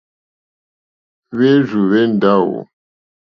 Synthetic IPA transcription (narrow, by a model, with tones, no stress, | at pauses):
βe˦zu˨βe˦n˨da˦˨wo̰˨